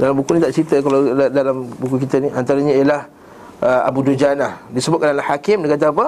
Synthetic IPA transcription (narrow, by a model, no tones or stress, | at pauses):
dalambukunĩt̪aʔt͡ʃəɾit̪əkalawadalambukukit̪əniʔant̪aɾaɲaijalah | əa̰budud͡ʒanahdisəbʊt̪kanalahakɪmdekat̪̬aap̬ə